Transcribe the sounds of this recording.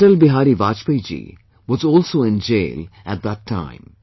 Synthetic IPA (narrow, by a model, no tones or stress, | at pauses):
ʈəlbɪɦaːɾiʋaːt͡ʃpəjd͡ʒḭː | ʋɔzɔːlsoːɪ̃nd͡ʒḛːlæ̰ʈ̚d̪æʈʰːã̰ɪ̃m